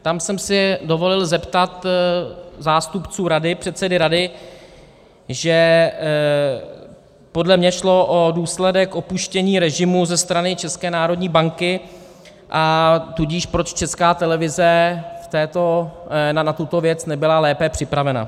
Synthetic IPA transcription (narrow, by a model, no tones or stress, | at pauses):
t̪amsɛmsɪdo̞vo̞lɪlzɛpt̪at̪ | zaːst̪upt͡suːɾadɪpr̝̥ɛt̪sɛdɪɾadɪ | ʒɛ | po̞dlɛmɲɛʃlo̞ʔoduːslɛdɛkʔo̞puʃcɛɲiːɾɛʒɪmuzɛst̪ɾanɪt͡ʃɛskɛːnaːɾodɲiːbaŋkɪ | ʔat̪uɟiːʃpɾo̞t͡ʃt͡ʃɛskaːt̪ɛlɛvɪzɛft̪ɛːt̪onanat̪ut̪o̞vjɛt͡snɛbɪlalɛːpɛpr̝̥ɪpɾavɛna̰